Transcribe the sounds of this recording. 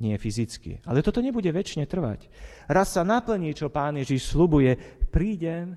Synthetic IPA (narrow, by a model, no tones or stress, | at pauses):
ɲɪɛfizit͡skḭalɛt̪ɔt̪ɔɲɛbuɟɛʋɛt͡ʃɲɛt̪r̩ʋa̰c | ɾasːanapl̩ɲit͡ʃɔpaːnjɛʒiʃslubujɛpɾiːɟɛm